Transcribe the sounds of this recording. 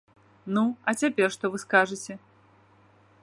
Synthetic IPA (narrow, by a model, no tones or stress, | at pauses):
nuɐt͡sʲapʲɛrʂt̪ɔvɨskaʐɨt͡sʲɛ